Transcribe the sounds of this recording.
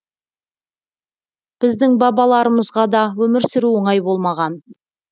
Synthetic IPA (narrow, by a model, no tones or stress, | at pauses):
b̥ɪzd̪ɪŋbɑbɑlˠɑɾəməzʁɑd̪ɑwɵmɪɾsɪɾuwoɴɑjbo̞lˠmɑʁɑn